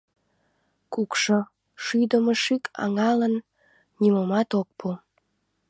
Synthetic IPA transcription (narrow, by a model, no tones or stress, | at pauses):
kukʃo | ʃyjd̪əmoʃykʰɑ̰ŋɑlən | nimomɑt̪ok̚pʰu